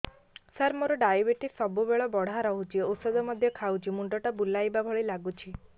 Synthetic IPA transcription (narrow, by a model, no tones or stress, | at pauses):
saɾmoɾɔɖajbeʈisɔbubeɭɔbɔɽ̤aɾɔɦut͡ʃʰiosɔd̪ɔmɔd̪ʱjɔkʰawd͡ʒʰimuɳɖɔʈabulːajbabʱɔɭilaɡut͡ʃʰi